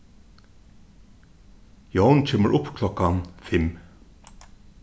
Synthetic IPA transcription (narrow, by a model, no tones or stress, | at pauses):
jownt͡ɕʰeːməɹʔʊpːkʰlɔkanfɪm